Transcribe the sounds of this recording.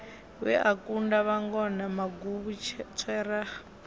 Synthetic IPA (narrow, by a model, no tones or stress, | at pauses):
wɛ̰ʔakundaβaŋɡɔnamaɡuβut͡ʃʰt͡sʰɛra